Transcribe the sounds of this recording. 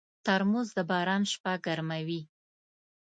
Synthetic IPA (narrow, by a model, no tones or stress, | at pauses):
t̪aɾmuzd̪əbɑɾɑnʃpaɡaɾmawi